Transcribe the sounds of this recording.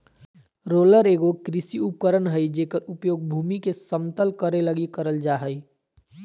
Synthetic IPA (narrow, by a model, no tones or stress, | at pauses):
ɾoːləɾeːɡokɾɪsiup̚kəɾənɦəid͡ʒeːkəɾʊpjoːɡ̚bʱuːmikesəmt̪əlkəɾeləɡikəɾəld͡ʒaːɦəi